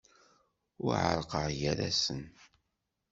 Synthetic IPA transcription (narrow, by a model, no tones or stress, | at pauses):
ʊɾʕə̰ɾˤqəʁjæɾæsən